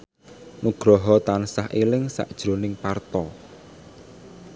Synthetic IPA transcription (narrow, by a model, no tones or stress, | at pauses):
nuɡ̥ɾɔɦɔt̪ansahʔilɪŋsa̰ʔd̥ʒ̥ɾo̤nɪŋpart̪ɔ